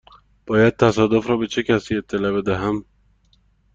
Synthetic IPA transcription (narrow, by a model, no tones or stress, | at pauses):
b̥ɒːjæd̪̚t̪ʰæsɒːd̪ofɾɒːbe̞t͡ʃʰe̞cʰæsiːe̞t̪ʰːe̞lɒbe̞d̪æɦæm